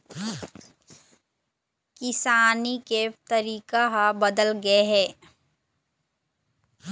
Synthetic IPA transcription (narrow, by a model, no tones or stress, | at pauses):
kɪsaːniket̪ɐɾiːkaɦabɐd̪əlɡɐeɦɛː